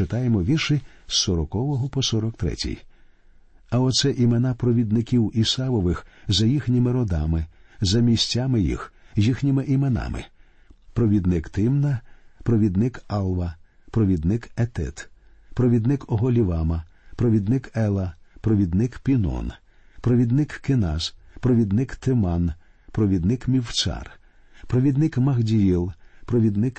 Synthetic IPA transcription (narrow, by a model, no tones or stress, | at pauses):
ɪt̪ɑjemɔʋʲiʃɪsːɔɾɔkɔʋɔɦɔpɔsɔɾɔkt̪ɾɛ̰tʲḭj | ɐɔt̪sɛʔimenapɾɔʋʲid̪nɪkʲiwisɑʋɔʋɪxzɐjixnʲɪmɪɾɔd̪ɑmɪ | zɐmʲisʲtʲːamɪjḭxjixnʲimɪʔimenɑ̰mɪ̰ | pɾɔʋʲid̪nɪkt̪ɪmnɐpɾɔʋʲid̪nɪkɑlˠʋɐ | pɾɔʋʲid̪nɪkɛt̪ɪ̰t̪ | pɾɔʋʲid̪nɪkɔɦɔlʲiʋɑmɐ | pɾɔʋʲid̪nɪkɛlˠɐpɾɔʋʲid̪nɪkpʲinɔ̰n | pɾɔʋʲid̪nɪkkɪnɑzpɾɔʋʲid̪nɪkt̪ɪmɑn | pɾɔʋʲid̪nɪkmʲiwt͡ʃɑ̰r | pɾɔʋʲid̪nɪkmɐɣdʲijilˠpɾɔʋʲid̪nɪk